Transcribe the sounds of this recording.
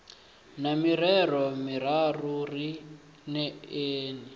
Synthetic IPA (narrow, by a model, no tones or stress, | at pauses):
namiɾɛrɔmiɾaruri | nɛeːni